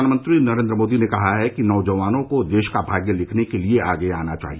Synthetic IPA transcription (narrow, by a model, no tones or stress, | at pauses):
aːnəmə̃nt̪ɾinɐɾẽːnd̪ɾəmoːd̪inekɐɦaɦɛkinɔːʋd͡ʒɐʋaːnõkod̪eːʃkabʱaːɡjəlɪkʰnekelieaːɡeaːnat͡ʃa̰ːɦi